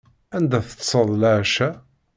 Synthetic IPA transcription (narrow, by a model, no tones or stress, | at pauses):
ænd̪æθə̥t̪ːsˤəðˤlaʕʃæ